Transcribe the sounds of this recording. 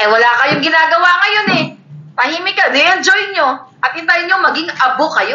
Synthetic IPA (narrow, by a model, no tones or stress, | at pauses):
ʔɐjwɐlaːkɐjʊŋɡɪnaːɡɐwaːkɐjo̞nɛpɐhiːmɪkɐd̪ɛʔɛnd͡ʒojɲo̞ʔɐt̪̚ɪnt̪ajɲoŋmɐɡiŋɐbokɐjo